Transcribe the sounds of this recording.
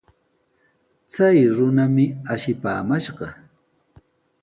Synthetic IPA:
t͡sajɾʊnamɪaʃɪpaːmaʃɢɑ

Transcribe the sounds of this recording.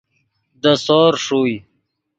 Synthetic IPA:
d̪əsoːɾʂuj

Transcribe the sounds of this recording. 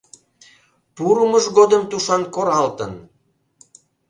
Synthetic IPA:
puɾuməʒɣod̪əmt̪uʃɑnkoɾɑlt̪ən

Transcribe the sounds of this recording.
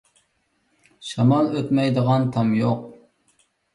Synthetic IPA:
ʃɑmɑlˠøt̪mɛjd̪əʁɑnt̪ʰɑmjoq̚

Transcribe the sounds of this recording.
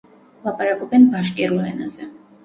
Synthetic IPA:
lˠapʼaɾakʼɔbɛnvaʃkʼiɾuulɛnazɛ

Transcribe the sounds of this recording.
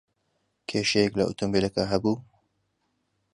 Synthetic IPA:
kʰeːʃɛjɛklɐʔṵt̪ʰombelɐkɐɦɐbuː

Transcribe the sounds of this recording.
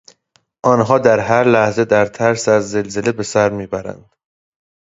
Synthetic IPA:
ʔɒːnɦɒːd̪æɾɦæɾlæhze̞d̪æɾt̪ʰæɾsæzːe̞lze̞le̞be̞sæɾmiːbæɾæ̰nd̪̥

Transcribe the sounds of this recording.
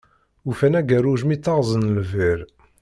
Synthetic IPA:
ufænæɡæɾuʒmit̪ːɑʁzˤənlviɾ

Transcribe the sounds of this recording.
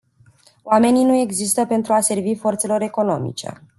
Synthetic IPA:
oame̞ninue̞ɡzist̪əpe̞nt̪ɾuase̞rvifo̞rt̪se̞lo̞ɾe̞ko̞no̞mḭt͡ʃe̞̰

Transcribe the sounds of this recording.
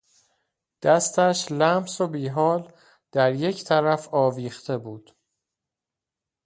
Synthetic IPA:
d̪̥æst̪ʰæʃlæmsobiːɦɒːl | d̪̥æɾje̞cʰt̪ʰæɾæfɒːviːχt̪ʰe̞buːd̪̥

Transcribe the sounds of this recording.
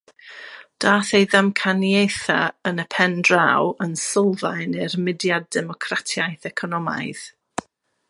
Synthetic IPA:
d̥aːθejðamkʰanjejθaənəpʰɛndrawənsɔlˠvajnɪrmɪdjadɛmɔkʰratʰjajθɛkʰɔnɔma̰jð̥

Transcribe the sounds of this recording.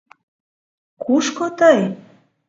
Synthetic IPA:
kuʃkot̪əj

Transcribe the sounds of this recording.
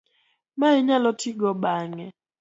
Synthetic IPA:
maɪɲalɔtʰiɡɔbaŋɛ

